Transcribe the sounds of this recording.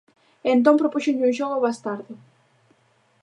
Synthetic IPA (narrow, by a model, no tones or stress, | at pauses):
ent̪̬õmpɾopuʃoɲuʒoɣoβast̪aɾðɪ